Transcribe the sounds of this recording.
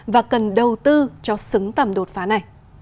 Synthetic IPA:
vaː˨˩kə˨˩nɗə˨˩wt̪ɨ˧t͡ɕɔ˧sɨ˨˦ŋt̪ə˨˩mɗo˨˩t̚faː˨˦na˨˩j

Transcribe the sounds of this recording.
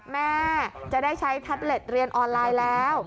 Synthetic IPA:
mɛː˥˩t͡ɕa˨˩ʔdaː˥˩jt͡ɕʰa˦˥jt̪ʰa˦˥p̚le˨˩t̪̚ɾi˧ənʔɔː˧nlaː˧jlɛː˦˥w

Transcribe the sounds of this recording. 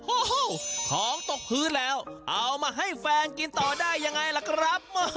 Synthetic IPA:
ʔo˧˩˥kʰɔː˨˦ŋt̪o˨˩k̚hɯː˦˥lɛː˦˥wʔa˧˩wmaː˧ɦa˥˩jfɛː˧nki˧nt̪ɔː˨˩daː˥˩jːa˧ŋːa˧jla˨˧˩kʰɾa˦˥p̚ma˧˩

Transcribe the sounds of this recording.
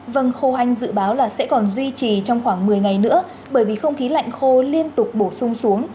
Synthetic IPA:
və˧nxo˧ha˧jŋ̟zɨ̰˧˨ɓaː˨˦wlaː˨˩sɛ̰˧˥kɔ˨˩nzwi˧t͡ɕi˨˩t͡ɕɔ˧wŋ͡mxwaː˧˩ŋmɨ˨˩əjŋa˨˩jnɨ̰˧˥ə | ɓəː˧˩jvi˨˩xə˧wŋ͡mxi˨˦la̰˧˨jŋ̟xo˧li˧ənt̪ʊ˨˩k͡p̚ɓo˧˩sʊ˧ŋ͡msu˨˦əŋ

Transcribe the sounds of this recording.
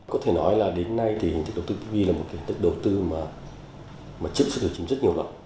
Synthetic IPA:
kɔ˨˦t̪ʰe˧˩nɔ˨˦jlaː˨˩ɗe˨˦nːa˧jt̪ʰi˨˩hi̟˨t̪ɨ˦˥ɗə˨˩wt̪ɨ˧˩t̪i˧˦vi˧laː˨˩mo˨˩ka˨˦hi˨˩t̪ʰk̚ɗə˨˩wt̪ɨ˧maː˨˩ | maː˨˩t͡ɕɨ̰˧˨sɨ̰˧˨ɗt͡ɕi˨˦ŋ͡mzə˦˥t̚ɲi˨˩əwlwa̰˧˨n

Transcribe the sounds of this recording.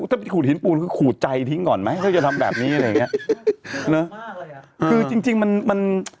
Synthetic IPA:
t̪ʰaː˥˩pnkʰuː˨˩t̪̚i˩˦npuː˧˩nkʰɯː˧kʰuː˨˩t̪̚t͡ɕa˧jt̪ʰi˧˥˦ŋkɔː˨˩nma˦˥jt̪ʰa˥˩a˨˩t̪ʰa˧mbɛː˨˩p̚niː˦˥ʔa˧ɾa˧ja˨˩ŋi˦˥ʔ | nə˦˥ | kʰɯː˧t͡ɕi˧ŋt͡ɕi˧ŋma˧nma˧n

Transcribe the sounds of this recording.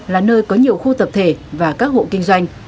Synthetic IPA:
laː˨˩nəː˧jkɔ˨˦ɲi˨˩əwxu˧t̪ə˨˩p̚t̪ʰe˧˩vaː˨˩kaː˦˥k̚ho̰˧˨kï˧ŋzwa˧jŋ̟

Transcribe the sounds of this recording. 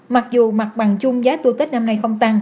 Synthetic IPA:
ma˨˩k̚zu˨˩ma˨˩k̚ɓa˨˩ŋt͡ɕʊ˧ŋ͡mzaː˨˦t̪u˧kï˦˥k̟̚na˧mna˧jxə˧wŋ͡mt̪a˧ŋ

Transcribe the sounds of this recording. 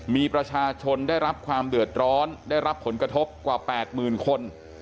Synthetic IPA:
miː˧pɾa˧t͡ɕʰaː˧t͡ɕʰo˧ndaː˥˩jɾa˦˥p̚kʰwaː˧mdɯ˨˩ət̪̚ɾɔː˦˥ndaː˥˩jɾa˦˥pʰːo˩˦nkɾa˧t̪ʰo˦˥p̚kwaː˨˩pɛː˨˩t̪̚mɯː˨˩nkʰo˧n

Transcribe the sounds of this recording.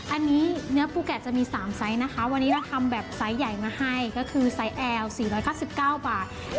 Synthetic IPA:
ʔa˧nːiː˦˥nɯ˦˥ɐpʰuː˥˩kɛ˨˩t͡ɕa˨˩miː˧saː˩˦msa˦˥jna˦˥kʰa˦˥wa˧nːi˦˥ɾa˧wt̪ʰa˧mbɛː˨˩p̚sa˦˥jːa˨˩jmaː˧ha˥˩jkɔ˥˩kʰɯː˧sa˦˥jʔɛː˧wsiː˨˩ɾɔː˦˥jkaː˥˩wsi˨˩p̚kaː˥˩wbaː˨˩t̪̚

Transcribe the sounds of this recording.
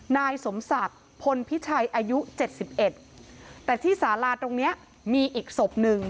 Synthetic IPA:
naː˧jso˩˦msa˨˩t̪̚ | pʰo˧npʰi˦˥t͡ɕʰa˧jʔaː˧ju˦˥t͡ɕe˨˩t̪̚si˨˩p̚ʔe˨˩t̪̚t̪ɛː˨˩t̪ʰiː˥˩saː˩˦laː˧t̪o˧ŋni˦˥ɐ | miː˧ʔiː˨˩k̚so˨˩p̚nɯ˧ŋ

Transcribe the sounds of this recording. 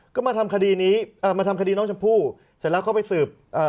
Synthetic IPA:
kɔː˥˩maː˧t̪ʰa˧mkʰa˧diː˧niː˦˥ʔaː˨˩maː˧t̪ʰa˧mka˧diː˧nɔ˦˥ŋt͡ɕʰa˧mpʰuː˥˩ | sɛː˨˩˦lɛː˦˥wkʰa˥˩pa˧jsɯː˨˩p̚ʔɤː˨˩

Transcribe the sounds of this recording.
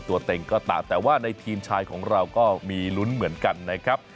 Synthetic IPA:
t̪u˧ɐt̪e˧ŋkɔː˥˩t̪a̰˨˩t̪ɛː˨˩waː˥˩na˧jt̪ʰiː˧mt͡ɕʰaː˧jkʰɔː˩˦ŋɾa˧wkɔː˥˩miː˧lu˦˥nmɯ˩˦ənka˧nːa˦˥kʰɾa˦˥p̚

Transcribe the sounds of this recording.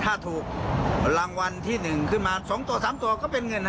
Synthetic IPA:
t̪ʰaː˥˩t̪ʰuː˨˩k̚ɾa˧˩ŋwa˧nt̪ʰiː˥˩nɯ˨˩ŋkʰɯ˥˩nmaː˧sɔː˩˦ŋt̪u˧ɐsaː˩˦mt̪u˧ɐkɔː˥˩pe˧nŋɤ˧n

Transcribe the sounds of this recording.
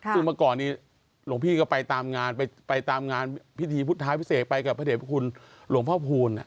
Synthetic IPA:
sɯ˥˩maː˧kɔː˨˩nːiː˧˩ | lu˨˩˦mpʰiː˥˩kɔ˥˩pa˧jt̪aː˧mŋaː˧npa˧jpa˧jt̪aː˧mŋaː˧npʰi˦˥t̪ʰiː˧pʰu˦˥˩t̪ʰːaː˦˥jpʰi˥seː˨˩t̪̚pa˧jka˨˩pʰːa˧deː˨˩pʰa˥˩kʰu˧n | lu˩˦əŋpʰɔː˥˩pʰuː˧nːa̰˨˩ʔ

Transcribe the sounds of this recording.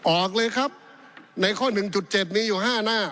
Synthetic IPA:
ʔɔː˨˩k̚lɤː˧jkʰa˦˥p̚ | na˧jkʰɔː˥˩nɯ˨˩ŋt͡ɕu˨˩t̪̚t͡ɕe˨˩p̬̚niː˦˥juː˨˩ɦaː˥˩naː˥˩

